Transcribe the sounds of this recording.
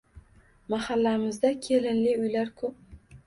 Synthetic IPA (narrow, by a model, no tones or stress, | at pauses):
mahalːaɾɪmɪzd̪akʲʰelɪnlɪʊjlaɾkʰɵp̚